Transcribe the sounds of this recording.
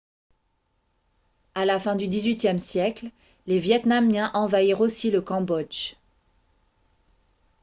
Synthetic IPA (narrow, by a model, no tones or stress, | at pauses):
alafɛ̃d̪yd̪izɥit̪jɛmsjɛkl | levjɛt̪namjɛ̃ʔɑ̃vaiʁosiləkɑ̃bɔd͡ʒ